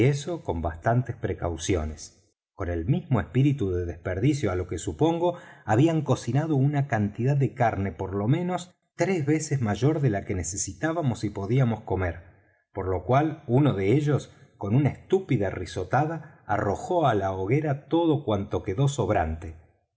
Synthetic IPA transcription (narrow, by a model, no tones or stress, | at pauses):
eso̞ko̞mba̰st̪ant̪espɾekawsjo̞ne̞s | ko̞ne̞lmizmo̞espiɾit̪uðeðespeɾðisjoalo̞kesupo̞ŋɡo̞aβiaŋko̞sinaðo̞unakant̪iðaððekaɾne̞po̞ɾlo̞mẽ̞no̞s | t̪ɾezβe̞sezmaʒo̞ɾðelakenesesit̪aβamo̞sipo̞ðiamosko̞meɾ | po̞ɾlo̞kwaluno̞ðe̞eʒo̞sko̞nunaest̪upiðariso̞t̪aða̰ː | ro̞xo̞alaoɣe̞ɾat̪o̞ðo̞kwant̪o̞keðo̞soβɾant̪e